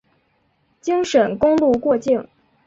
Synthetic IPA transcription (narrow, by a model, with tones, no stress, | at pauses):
t͡ɕi˥ŋʂə˨˩nkʊ˥ŋlu˥˧kwɔ˥˧t͡ɕi˥˩ŋ